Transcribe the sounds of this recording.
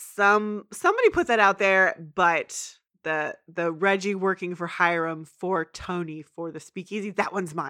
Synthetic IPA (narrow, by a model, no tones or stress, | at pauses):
sʌ̃msʌ̃mbɑɾipʰʊt̪̚ðɨɾaʊt̪̚ðə˞b̥ʌt̪̚ | ðɨðɨɹɛd͡ʒiwɜ˞kɪ̃ŋfə˞haɪɹɨ̃ɱfə˞tʰõʊ̃nifə˞ðɨspikiziðɨʔ̚wʌ̃nzmãɪ̃n